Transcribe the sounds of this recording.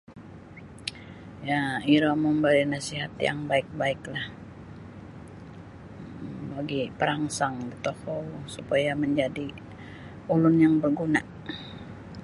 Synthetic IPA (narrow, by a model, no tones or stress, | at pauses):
jaiɾɔməmbalinasiɦat̪ja̰ŋbaɪk̚baɪklah | baɡipəɾaŋsaŋdit̪ohɔwsupajaməɲd͡ʒadi | ulʊnjaŋbərɡuna